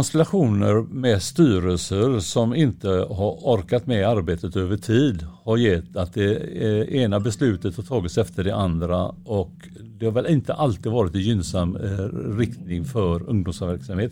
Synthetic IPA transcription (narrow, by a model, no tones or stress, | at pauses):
ɔnst̪ɛlaɧuːnəɾmɛst̪yːɾəlsəɾsɔmɪnt̪əɦaɾɔɾkat̪mɛaɾbeːt̪ət̪øːvəʈʰiːd̪haɾjɛt̪ːat̪̚d̪ɛeːnabɛslʉ̟ːt̪ət̪hat̪ʰɑːɡɪt̪sɛft̪əɖɛʔand̪ɾaɔk | d̪ɛhaɾvɛlɪnt̪əʔalt̪ɪːd̪vɑːɾɪt̪ɪnjʏnsamːɾɪkt̪nɪŋfœɾɵŋːd̪ɔmsavæɾksamheːt̪